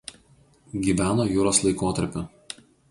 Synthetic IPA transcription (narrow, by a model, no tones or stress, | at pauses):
ɡʲiːʋʲæːnoːjuːɾoːslˠɐɪkoːt̪ɐɾʲpʲʊ